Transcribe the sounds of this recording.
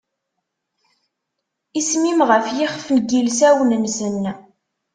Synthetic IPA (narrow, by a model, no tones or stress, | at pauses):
ismimʁəfjɪχfnɡilsæwənənsənː